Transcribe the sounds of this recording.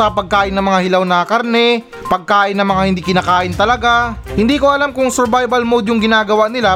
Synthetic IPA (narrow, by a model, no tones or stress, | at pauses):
ɐpɐɡ̚kaːʔɪnːɐŋmɐŋahɪlawnɐkɐɾnɛ | pɐɡ̚kaːʔɪnːɐŋmɐŋahɪnd̪iːkɪnaːkaːʔɪnt̪ɐlɐɡahɪnd̪iːkoɐlamkʊŋsɛɾbajbɐlmod̪jʊŋɡɪnaːɡɐwaʔnɪla